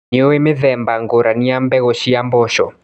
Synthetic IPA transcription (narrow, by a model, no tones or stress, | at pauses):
nowemɪðɛmbaŋɡoɾanɪambɛɣɔʃiambɔʃɔ̰